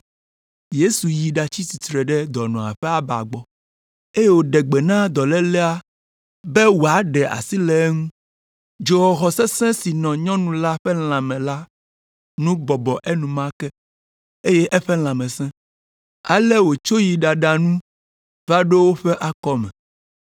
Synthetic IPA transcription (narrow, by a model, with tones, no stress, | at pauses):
je˦su˨ji˨ɖa˨t͡ɕi˦si˨t̪ɾɛ˨ɖɛ˦d̪ɔ˨nɔ̃˨a̰˨ɸɛ˦a˦ba̰˨ɡ͡bɔ˨ | e˦je˦wo˨ɖɛ˨ɡ͡bɛ˨nã˦d̪ɔ˨lɛ˦lɛ˦a˦ | bɛ˦wo˨a˨˦ɖɛ˨ʔa̰˨si˦lɛ˨˦ŋũ˦ | d͡ʒo˨wɔ˨xɔ˨sɛ˦sɛ̃˦si˨nɔ̃˨ɲɔ̃˦nũ˦la˦ɸɛ˦l̃ã˨mɛ̃˨la˦ | nũ˦bɔ˨bɔ˨ʔe˦nũ˨mã˦kɛ˦ | e˦je˦ʔɛ˦ɸɛ˦l̃ã˨mɛ̃˨sɛ̃˦ | a˨lɛ˦wo˨t͡ʃo˦ji˨ɖa˨ɖa˨nũ˦ | va˦ɖe˦wo˦ɸɛ˦ʔa˨kɔ˦mɛ̰̃˨